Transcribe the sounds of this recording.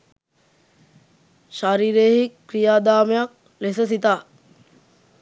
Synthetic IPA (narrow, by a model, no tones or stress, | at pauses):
ʃaɾiːɾeːɦikːɾijaːd̪aːmejak̚ | lesəs̬it̪aː